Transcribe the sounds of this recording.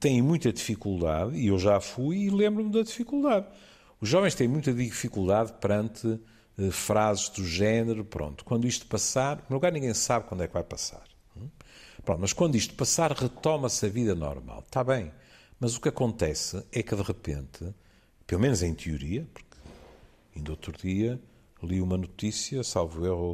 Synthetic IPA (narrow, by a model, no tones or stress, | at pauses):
t̪ɐ̃j̃mũj̃t̪ɐðifikulˠd̪a̰ðiewʒafujilˠẽmbɾumðɐðifikulˠd̪að | uʒːɔvẽʃt̪ẽj̃mũj̃t̪ɐðifikulˠd̪aðpɨɾɐ̃nt̪ʰɨ | ɛfɾazɨʒðuʒɛnɨɾupɾõ̰nt̪u̥kwɐ̃nd̪uiʃt̪u̥pɐsaɾumewlˠuɣaɾnĩŋɡẽj̃saβkwɐ̃nd̪wɛkvajpɐsa̰ɾ | npɾõnt̪mɐʃkwɐ̃nd̪uiʃt̪u̥pɐsaɾʁɨt̪ɔmɐsɐviðɐnɔ̰ɾma̰lˠt̪aβɐ̃j̃mɐzukɐkõnt̪ɛsɨɛkɨðɨʁɨpḛ̃nt̪ʰɨ | pelˠumenuzẽj̃t̪ʰjuɾiɐpu̥ɾkɨ | ɐĩd̪ot̪ɾuðiɐ | lˠiumɐnut̪isjɐsalˠvueʁu